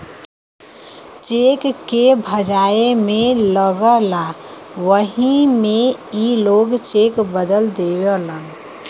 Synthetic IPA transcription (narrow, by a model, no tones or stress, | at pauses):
t͡ʃekkːebʱəd͡ʒaemẽləɡəla | ʋəɦimeiloɡt͡ʃekbəd̪əld̪ewelən